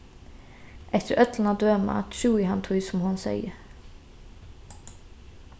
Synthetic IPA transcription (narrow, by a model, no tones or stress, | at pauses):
ʔɛft̪əɾʔœt̪ʰlən̩ɑːd̪øːmɑ̰ːt̪ʃʉːɪhɑnt̪ʰʊɪsɔmhʊnsæ̰ɪəɾ